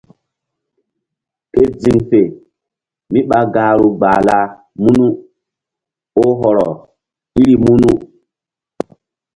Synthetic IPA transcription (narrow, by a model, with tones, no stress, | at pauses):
ke˦d͡zi˨ŋfe˨ | mi˦ɓa˨ɡa˨ɾu˨ɡ͡baː˨la˦ | mu˦nu˦ | o˦ɦɔ˨ɾɔ˨ | i˦ɾi˨mu˦nu˦